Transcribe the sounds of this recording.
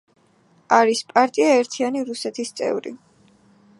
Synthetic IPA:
aɾispʼaɾt̪ʼiaɛɾt̪ʰianiɾusɛt̪ʰist̪sʼɛ̰vɾḭ

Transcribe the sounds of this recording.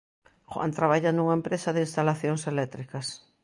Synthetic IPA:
xwa̰nt̪ɾaβaʎanuŋɐempɾesɐðɪinst̪alaθjoŋselɛt̪ɾikɐs

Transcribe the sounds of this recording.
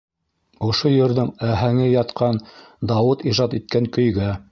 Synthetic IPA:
ŏʃojɵ̆ɾðɘŋæɦæŋɘjɑt̪qʰɑn | d̪ɑwɤt̪iʒɑt̪it̪̚kæŋkɵ̆jɡæ

